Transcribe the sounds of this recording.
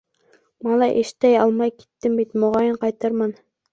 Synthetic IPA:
mɑlˠɑʔeʃt̪æjɑlˠmɑjkʲʰe̥t̪ːɪmbit̪moʁɑjɪnqɑjt̪ɑɾmɑn

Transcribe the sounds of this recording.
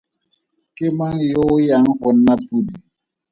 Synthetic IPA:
kemaŋjojaŋhɔnːapudi

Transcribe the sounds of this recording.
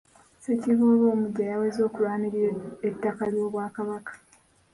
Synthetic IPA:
seciβoːβo̞ːmuɟːajawe̞zo̞ːkulwaːniɾieetːakaljo̞ːβwaːkaβakḁ

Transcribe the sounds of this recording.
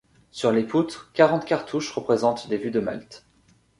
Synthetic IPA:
syʁleput̪χkaʁɑ̃t̪kʲaʁt̪ʰuʃʁəpχezɑ̃t̪d̪evyd̪əma̰lt̪

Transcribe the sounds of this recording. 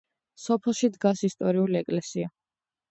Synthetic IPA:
sɔpʰɛlˠʃid̪ɡasist̪ʼɔɾiuliɛkʼlɛsia

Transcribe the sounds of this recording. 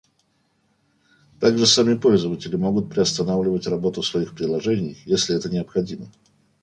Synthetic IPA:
t̪aɡʐɨsamʲɪpo̞lʲzəvətʲɪlʲɪmo̞ɡʊt̪̚pɾʲɪɐst̪ɐnavlʲɪvətʲrɐbo̞t̪ʊsvɐixpɾʲɪlˠɐʐɛnʲɪjjesʲlʲɪɛt̪ənʲɪɐpxɐdʲimə

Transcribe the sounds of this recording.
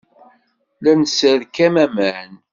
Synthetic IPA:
lænəsəðkæmæmən

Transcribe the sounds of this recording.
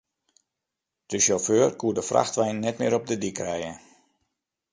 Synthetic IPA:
d̥əʃoføːrkuədəfrʔa̰xtʋɛjnːɛtmɪəɾɔp̚dədikrɛjə

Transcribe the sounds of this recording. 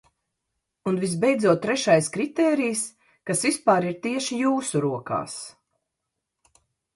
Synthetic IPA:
unvisbɛjd̪zuɔt̪̚ːɾɛʃajskɾit̪ɛːɾijs | kasvispaːɾiɾt̪iɛʃijuːsuɾuɔka̰ːs

